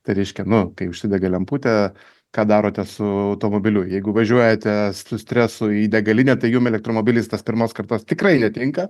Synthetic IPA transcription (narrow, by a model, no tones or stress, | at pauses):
t̪ɐɪɾʲɛɪʃʲkʲɛnʊkɐɪʊʃsʲɪd̪ʲɛɡʲɐlʲɛmpuːt̪ʲɛ | kɑːd̪ɑːɾoːt̪ʲɛsʊɐʊt̪oːmoːbʲɪlʲʊjjɛɪɡʊʋɐʒʲuɔjɛt̪ʲɛsʲsʊsʲt̪ʲɾʲɛsʊidʲɛɡɐlʲɪnʲɛt̪ɐɪjuːmɛlʲɛk̚t̪ɾoːmoːbʲɪlʲiːst̪ɐspʲɪɾmoːskɐrt̪oːst̪ʲɪkrɐɪnʲɛt̪ʲɪŋkɐ